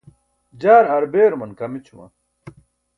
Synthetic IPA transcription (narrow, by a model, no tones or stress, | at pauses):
d͡ʑaːɾɐɾbeːɾmɐnkɐmit͡ɕʰumɐ̰